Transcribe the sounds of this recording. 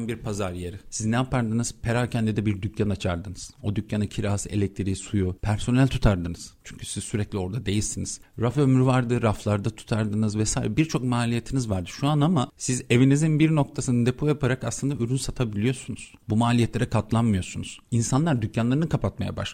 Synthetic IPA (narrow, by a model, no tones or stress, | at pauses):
nbiɾpʰazaɾjeɾɪsiznɛapaɾd̪ɯnɯz̥pʰe̞ɾaːcʰɛnd̪id̪ɛbiɾd̪ycʰːanat͡ʃʰaɾd̪ɯnɯz̥o̞d̪ycːanacʰiɾaːse̞̰lʲɛc̚t̪ʰiɾisujupʰæɾso̞nælʲt̪ʰu̥t̪ʰaɾd̪ɯnɯz̥t͡ʃʰyɲcʰy̥siz̥syɾɛclʲio̞ɾd̪ad̪e̞jilsiniz̥ɾafømɾyvaɾd̪ɯɾaflˠaɾd̪at̪ʰu̥t̪ʰaɾd̪ɯnɯzvɛsaːḭɾɛbiɾt͡ʃʰo̞kmaːlʲijet̪ʰinizvaɾd̪ɯʃuanamasize̞vinizinbiɾno̞k̚t̪ʰasɯnɯd̪e̞pʰojapʰaɾakaslˠɯnd̪ayɾynsat̪ʰabilʲijo̞sunuz̥bumaːlʲijɛt̪lʲe̞ɾɛkʰat̪lˠanmɯjo̞sunuz̥insanlˠaɾd̪ycʰːanlˠaɾɯnɯkʰapʰat̪̚maja̰ba̰ʃ